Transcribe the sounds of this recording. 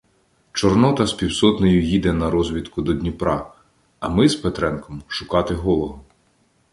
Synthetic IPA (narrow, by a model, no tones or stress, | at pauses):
t͡ʃɔrnɔt̪ɐspʲiwsɔt̪nɔjʊjid̪ɛnɐɾɔzʲʋʲit̪kʊd̪ɔd̪ʲnʲipɾɑ | ɐ̰mɪspet̪ɾɛnkɔmʃʊkɑt̪ɪɦɔlˠɔɦɔ